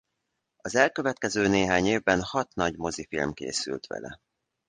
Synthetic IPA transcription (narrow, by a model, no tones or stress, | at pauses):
ɒzɛlkø̞vɛt̪̚kɛzøːneːɦaːɲeːvbɛnhɒt̪nɒɟmo̞zifḭlmkḛːsy̰lt̪ʋɛ̰lɛ̰